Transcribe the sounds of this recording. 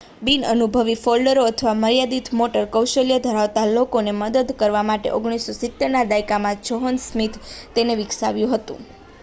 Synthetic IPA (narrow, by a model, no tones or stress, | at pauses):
binənubʱəʋifolɖəɾoət̪ʰəʋaməɾjad̪it̪ʰmoʈəɾkəwʃəljəd̪ʱəɾaʋt̪alokoneməd̪əd̪kəɾʋamaʈḛʔoɡɽ̃isːosɪt̪ːeɾnad̪ajkamãt͡ʃoɦənsmit̪ʰt̪eneʋɪksaʋjũɦət̪ṵ̃